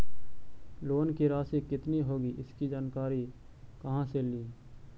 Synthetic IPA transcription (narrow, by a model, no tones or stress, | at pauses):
loːnkiɾaːsikɪt̪niɦoːɡiɪskid͡ʒaːnkaːɾi | kɐɦãseliː